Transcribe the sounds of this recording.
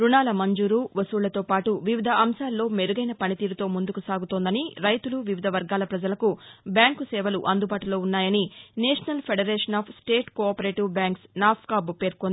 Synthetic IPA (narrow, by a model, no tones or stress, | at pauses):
ɾunaːlɐmɐɲd͡ʒuːɾuːʋɐsuːɭlɐt̪o̞ːpaːʈuʋiʋid̪ʱɐʔɐmsaːlːo̞ːmeɾuɡɐjnɐpɐnit̪iːɾut̪o̞ːmund̪ukusaːɡut̪ond̪ɐniɾɐjt̪uluʋiʋid̪ʱɐʋɐɾɡaːlɐpɾɐd͡ʒɐlɐkubjaːŋkusɛːʋɐlṵʔɐnd̪ubaːʈulo̞ːunːaːjɐnineːʂɐnɐlpʰeɖɐɾeːʂɐnaːpʰsʈe̞ːʈkoːpɐɾe̞ːʈiʋbjaːŋksnaːpʰkaːbupe̞ːɾkond̪ii